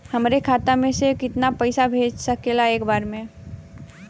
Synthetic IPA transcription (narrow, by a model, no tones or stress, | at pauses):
hɐmɾekʰaːt̪amẽsekɪt̪napəɪsabʱeːd͡ʒsəkelaeːkbaːɾmẽ